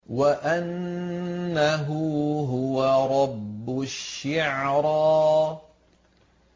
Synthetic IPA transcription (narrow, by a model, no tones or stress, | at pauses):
waʔanː | aɦʊːɦʊwaɾˤɑbːʊʃːɪʕɾˤɑː